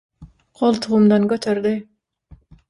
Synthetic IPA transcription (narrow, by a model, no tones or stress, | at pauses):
qʰolˠt̪ʰuʁumd̪ɑnkʲøt̪ʰøɾd̪ɪ